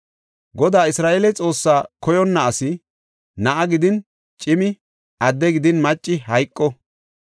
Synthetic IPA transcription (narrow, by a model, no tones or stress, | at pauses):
ɡɔd̪aːɪsɾaːʔeːlɛt͡sʼo̞ːsːaːkɔjɔnːɐːsɪ | nɐʔɐɡɪd̪ɪn | t͡ʃʼɪmɪ | ʔɐd̪ːɛɡɪd̪ɪnmɐt͡ʃʼːɪɦɐjkʼːɔ